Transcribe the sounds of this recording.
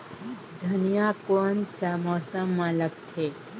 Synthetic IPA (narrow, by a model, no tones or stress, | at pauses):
d̪ʱɐnijakont͡ʃamosəmːãlək̚t̪ʰe